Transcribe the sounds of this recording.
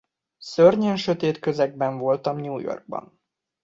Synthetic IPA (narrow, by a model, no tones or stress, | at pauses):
sørɲenʃøt̪eːt̪kø̞zɛɡ̚bɛɱvo̞lt̪ɒmɲuːjo̞̰rɡ̚bɒ̰n